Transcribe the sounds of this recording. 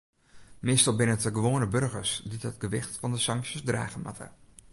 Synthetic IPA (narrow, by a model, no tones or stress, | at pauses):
mɪstɑlˠbɪnətəɡəʋoːnəbørɣəsditət̚ɡəʋɪxtfɑndəsɑŋksjəsdra̰ːɣəma̰tʰə̰